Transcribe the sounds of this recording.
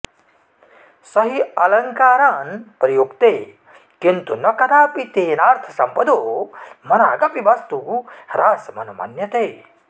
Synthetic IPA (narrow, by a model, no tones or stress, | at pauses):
sɐɦiɐlɐŋkaːɾaːnpɾɐjuɡt̪eː | kint̪unɐkɐd̪aːpit̪eːnaːɾt̪ʰɐ̥sɐmpɐd̪oːmɐnaːɡɐpiʋɐst̪uɾaːsɐmɐ̰nɐmɐ̰njɐt̪eː